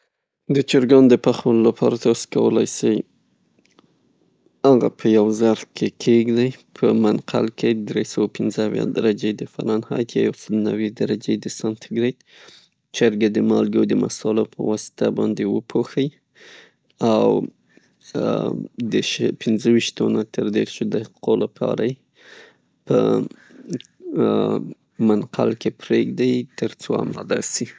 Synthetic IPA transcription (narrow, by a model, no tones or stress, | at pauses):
d̪ət͡ʃɪɾɡɑnd̪əpaxwəlolapʰɑ̰ɾat̪ɑskawəlajsəj | aɣa̰pʰəjawzaɾkʰekʰeɡd̪ajpʰəmanqʰa̰lked̪ɾesawapɪnzəawjɑ̰d̪aɾad͡ʒed̪əfa̰nɑnhɑ̰jt̪ʰja̰jawsəlonawed̪aɾad͡ʒed̪əsɑnt̪ʰɪɡɾed̪ | t͡ʃaɾɡad̪əmɑlɡowd̪əma̰sɑlopʰəwɑsɪ̥t̪abɑnd̪ewəpʰoxəj | aw | d̪əʃpʰɪnzəwiʃt̪onat̪əɾd̪eɾʃod̪hai̥qolapʰɑ̰ɾaje | pə̰ | manqʰa̰lkepɾeɡd̪ajt̪əɾt͡soa̰mlad̪asi